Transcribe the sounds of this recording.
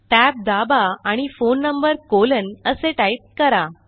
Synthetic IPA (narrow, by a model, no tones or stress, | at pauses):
ʈæp̚d̪abaːɽ̃ifonːəmbəɾkolənəseʈaip̚kəɾa